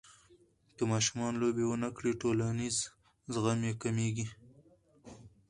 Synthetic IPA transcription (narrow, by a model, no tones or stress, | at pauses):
kəmɑʃumɑnlobewənakɽiʈolaniz | zɣamjekameɡi